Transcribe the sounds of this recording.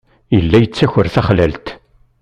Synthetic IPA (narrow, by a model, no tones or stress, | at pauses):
əlːæjət͡sːæçəɾθæχlælt̪